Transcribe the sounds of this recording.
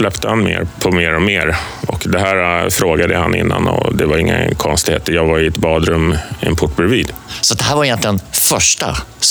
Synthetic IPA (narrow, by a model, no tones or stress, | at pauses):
slɛpt̪ʰəhanmḛːɾpʰɔmeːɾɔmeːɾ | ɔkd̪ɛɦæːɾfɾoːɡad̪əhanɪ̰nːa̰nɔ̰d̪ɛvaɾɪŋːa̰kʰɔnst̪ɪḛːt̪əɾjɑːɡvaɾɪɛt̪bɑːd̪ɾɵmːɛ̰npʰʊʈːbɾɛviːd̪sɔat̪̚d̪ɛhæːɾvaɾɪjɛnt̪lɪɡənfœʂʈa̰